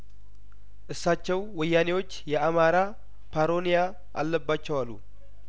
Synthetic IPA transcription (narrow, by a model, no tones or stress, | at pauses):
ʔɨsːat͡ʃːɛwwɔjːanewo̞t͡ʃːjɛamaɾa | pʰaɾo̞nija | ʔa̰lːəbːat͡ʃːɛwalːu